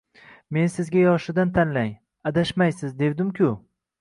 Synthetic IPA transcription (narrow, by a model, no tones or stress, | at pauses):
me̞nsɪzɡʲajɒʃɪd̪ant̪ʰanlaŋ | ad̪aʃmajsɪzd̪e̞wd̪ɪmkʲʰʊ